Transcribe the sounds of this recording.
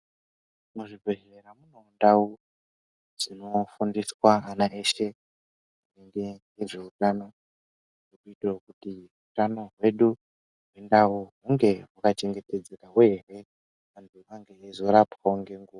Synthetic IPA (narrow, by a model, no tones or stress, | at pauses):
muʐibʱe̞ʒeɾamunoːndawu | ʐ̥ino̞fundiswaːnaʔe̞ʃe̞ | uneŋɡejeʐe̞utaːno | okuitirokutirutanoɦwe̞ɗu | ɦwendauɦuŋɡe̞ɦakat͡ʃe̞ŋɡe̞ted͡zekaɦweːre̞ | andiukaŋɡe̞ezoɾapkaŋɡe̞ŋɡuwa